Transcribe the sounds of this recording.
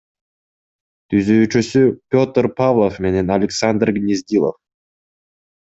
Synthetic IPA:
t̪ʰyzøːt͡ʃysypʲo̞t̪rpavlˠofme̞ne̞nɐlʲɪksand̪rɡnʲizʲd̪ʲilˠo̰f

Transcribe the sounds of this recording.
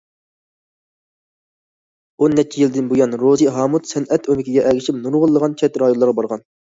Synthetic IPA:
onːɛt͡ʃʰijild̪ɪnbujɑnɾoziɦɑːmut̪sɛnɛt̪ømɪkʲiɡʲɛʔɛɡʲiʃipnuɾʁʊlˠːəʁɑnt͡ʃʰɛt̪ɾɑjonlˠɑɾʁɑbɑɾʁɑn

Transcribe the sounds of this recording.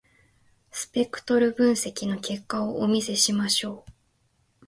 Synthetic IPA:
sɨ̥pe̞kɯ̟̥t̪o̞ɾɯ̟bɯ̟̃ɰ̃se̞kʲino̞ke̞kːaoʔomʲise̞ɕimaɕo̞ː

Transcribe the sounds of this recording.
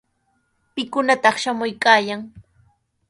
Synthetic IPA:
pɪkʊnat̪ɑχʃamʊjkaːjaŋ

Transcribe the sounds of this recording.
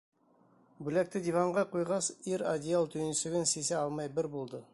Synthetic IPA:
bʉlæk̚t̪ɘd̪ʲivɑɴʁɑqujʁɑsiɾad̪ʲɪalˠt̪ʰɵ̆jnsɘ̆ɡɘnsesæɑlˠmɑjbɪɾbulˠd̪ɤ

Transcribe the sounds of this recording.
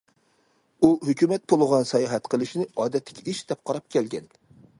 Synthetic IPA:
uhøkʲymɛt̪̚pʰolˠʁɑnsɛjɑɦɛt̪qʰəlˠɪʃnɪɑːd̪ɛt̪ʰːɪ̥kʲʰiiʃd̪ɛp̚qʰɑɾɑp̚kʲɛlɡʲɛn

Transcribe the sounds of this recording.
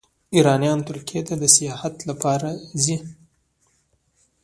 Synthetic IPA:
iɾɑnjɑnt̪ʊɾkijet̪ad̪əsijɑhat̪lapɑɾazi

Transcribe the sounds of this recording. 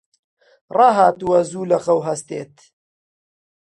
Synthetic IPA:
rɑɦaːt̪uwɐzuːlɐxɐwɦɐst̪eːt̪

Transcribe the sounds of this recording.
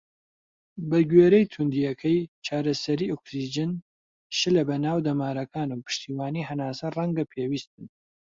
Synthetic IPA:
bɐɡɥeːɾɛjt̪ʰund̪ijɐkʰɐjt͡ʃʰaːɾɐsɐɾiːoksid͡ʒɨn | ʃɨlɐbɐnaːwd̪ɐmaːɾɐkʰaːnuwpʰɨ̥ʃt̪iːwaːniːhɐnaːsɐrˤɐŋɡɐpʰeːwiːst̪̚ɨn

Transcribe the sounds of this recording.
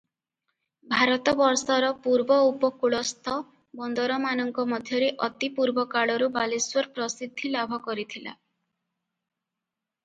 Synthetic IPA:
bʱaɾɔt̪ɔbɔɾsɔɾɔpuɾbɔupɔkuɭɔst̪ʰɔ | bɔnd̪ɔɾɔmanɔŋkɔmɔd̪ʱjɔɾeʔɔt̪ipuɾbɔkaɭɔɾubaliswɔɾpɾɔsid̪ʱːilabʱɔkɔɾit̪ʰila̰

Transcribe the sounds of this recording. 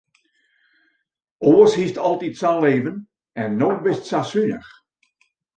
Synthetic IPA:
ʔoːəshistɔlˠtitsaleːvən | ɛnːolbɪstsasynə̰x

